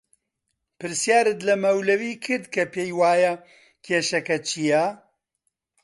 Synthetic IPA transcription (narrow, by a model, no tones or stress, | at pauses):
pɨɾsjaːɾɨt̪lɐmɐwlɐwiːkʰɨɾd̪kʰɐpeːjwaːjɐ | kʰeːʃɐkɐt͡ʃʰijɐ